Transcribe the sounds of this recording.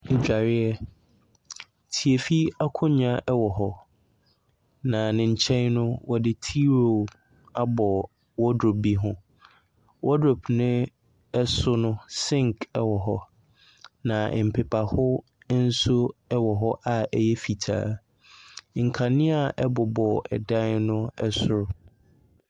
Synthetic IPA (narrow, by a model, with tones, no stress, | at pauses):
i˨d͡ʑᶣa˨ɾɪ˦ɛ˨ | tʰi˨e˨fi˦a˦kʰʊ̃˦ɲã˦ʔɛ˦wɔ˨ɦɔ˦ | nã˨nɪ̃˨ɲ̩˨t͡ɕʰɛ̃˦nnʊ̃˦wɔ˨dɪ˦tʰi˦ɾo˨ | a˦bɔ˨ | wɔ˦do˨bi˦ɦʊ̃˦ | wʔɔ˦do˨bʰnɪ̃˦ | ɛ˦sʊ˦nʊ̃˦sɪ̃˦ŋkʰɛ˦wɔ˨ɦɔ˦ | nã˨m̩˨pʰɪ˨pʰa˨hʊ˦ | n̩˦sʊ˦ɛ˦wɔ˨ɦɔ˦ʔa˨ɛ˨jɛ˦fi˨tʰa̰ː˦˨ | ŋ̩˨kʰa˨nɪ̃˦a˨ʔɛ˦bɔ˨bɔ˨ɛ̰˨dã˦nnʊ̃˦ɛ˦sʊ˦ɾʊ˨